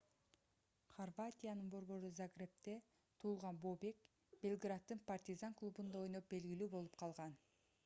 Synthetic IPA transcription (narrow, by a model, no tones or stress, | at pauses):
χorvat̪ʲijanɯnbo̞ɾβo̞ɾuzaɡrʲe̞p̚t̪e̞ | t̪ʰuːlˠʁɑnbo̞ːbe̞k | b̥ʲe̞lʲˠɡrat̪ːɯnpart̪ʲizaŋklˠubund̪ao̞jnop̚be̞lɡilyːbo̞lˠup̚qʰɑlˠʁɑn